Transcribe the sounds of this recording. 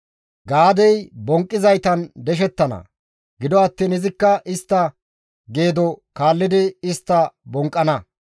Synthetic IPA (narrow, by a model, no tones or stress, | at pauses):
ɡaːd̪ɛjbɔŋkʼːɪzɐjt̪ɐnd̪ɛʃ̬ɛt̪ːɐnɐ̰ | ɡɪd̪ɔɐt̪ːiːnɪzɪkːɐʔɪst̪ːɐ | ɡe̞ːd̪ɔkaːlːɪd̪ɪɪst̪ːɐbɔŋkʼːɐnɐ